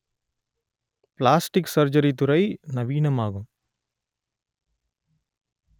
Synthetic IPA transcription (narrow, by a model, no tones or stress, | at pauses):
plaːsʈiksɐɾd͡ʒɐɾit̪̬uɾɐjnɐʋiːnɐmaːɡum